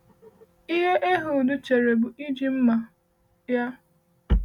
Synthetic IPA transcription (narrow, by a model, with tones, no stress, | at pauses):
i˦ɦe˦ʔe˦ɦʊ˨dʊ˦t͡ʃe˨ɾe˨bʊ˨i˦d͡ʒi˨m̩˦ma˨ | ja˦